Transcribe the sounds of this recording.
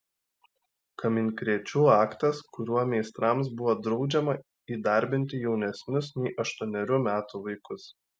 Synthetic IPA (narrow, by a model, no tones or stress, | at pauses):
kɐmʲɪnʲkɾʲiɛt͡ʃʲuːɑːkt̪ɐskʊɾʲuɔmʲɛɪst̪ɾɑˑms̬bʊʋɔd̪ɾɒʊd͡ʒʲɛmɐ | iːd̪ɐˑɾʲbʲɪnʲt̪ʲɪjɛʊnʲɛsʲnʲʊsnʲɛɪʔɐʃt̪uɔnʲɛɾʲuːmʲæːt̪uːʋɐɪkʊs